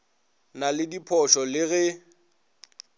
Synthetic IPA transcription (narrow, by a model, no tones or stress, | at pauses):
nalɪdipʰɔʃɔlɪɣɛ